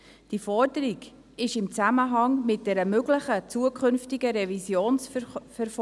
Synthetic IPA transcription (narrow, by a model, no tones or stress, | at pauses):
d̥ifɔɾdəɾiɡ | ɪʃɪmt͡sæməɦɑŋmɪt̚d̥ɛɾəmøɡləχət͡suəkʰχɵnftɪɡəɾɛvisjoːnsfɛɾf